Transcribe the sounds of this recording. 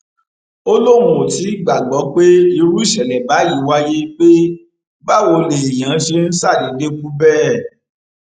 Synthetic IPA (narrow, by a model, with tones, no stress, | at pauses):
o˦lo˦˨mũ˨ti˨˦˨ɡ͡ba˨ɡ͡bɔ˨˦k͡pe˦i˧ɾu˦i˦˨ʃɛ˨lɛ˨ba˨˦ji˦˨˦wa˦je˦k͡pe˦ | ba˦˨wo˧le˨e˨j̃ã˨˦ʃe˧n̩˦sa˦˨di˨˦de˦ku˦bɛ˦˨